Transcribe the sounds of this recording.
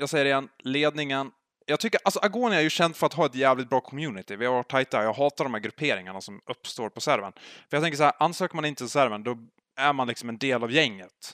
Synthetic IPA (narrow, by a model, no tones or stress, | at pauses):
jɑːɡsɛjːəɾɪjɛnleːd̪nɪŋən | jɑːɡt̪ʰʏkːəɾʔalsɔʔaɡoːnæɾjɵɕɛnd̪fœɾat̪hɦɑːɛt̪jæːvlɪt̪̚bɾɑːkʰɔmjʉːnɪt̪ɪvɪhaɾvaʈʰːajt̪ːajɑːɡɦɑːt̪aɖɔmhæɾɡɾɵpʰeːɾɪŋaɳasɔmɵpːst̪oːɾpʰɔsæɾvə̰nfœɾjɑt̪ʰɛŋkəʂæhæɾʔansøːkəmanɪnt̪əsæɾvənd̪ɔ | æɾmanlɪksɔmɛnd̪eːlavjɛŋːət̪